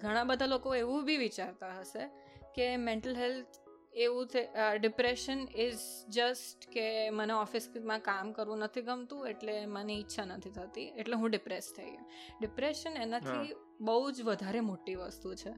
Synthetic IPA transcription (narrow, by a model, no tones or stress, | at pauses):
ɡʱəɽ̃ãbəd̪ʱalokoeʋũbʱiʋit͡ʃaɾt̪aɦəʃe | kemẽɳʈəlɦelt̪ʰ | eʋũt̪ʰeɖɪpɾeʃənɪzd͡ʒəsʈkeməneɔfɪsmãkamkəɾʋũnət̪ʰiɡəmt̪ũeʈlemaniːtːʃʰanət̪ʰit̪ʰət̪ieʈleɦũɖɪpɾest̪ʰəḭɡṵ | ɖɪpɾeʃənenat̪ʰi | bəɦud͡ʒʋəd̪ʱaɾemoʈiʋəst̪ut͡ʃʰe